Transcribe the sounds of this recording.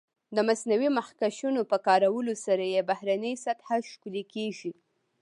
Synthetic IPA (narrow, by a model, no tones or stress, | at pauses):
d̪əmasnawimaxkaʃunopəkɑɾawəlosaɾajebahɾanəjsat̪haʃkulekeʒi